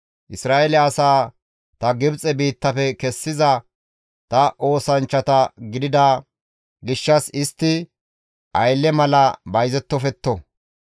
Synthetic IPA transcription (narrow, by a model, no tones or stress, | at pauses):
ʔɪsɾaːɛlɛɐsaː | t̪ɐɡɪbt͡sʼɛbiːt̪ːɐfɛkɛsːɪzɐ | t̪ɐʔo̞ːsɐnt͡ʃːɐt̪ɐɡɪd̪ɪd̪ɐ | ɡɪʃːɐsɪst̪ːɪ | ʔɐjlːɛmɐlɐbɐjzɛt̪ːɔfɛt̪ːɔ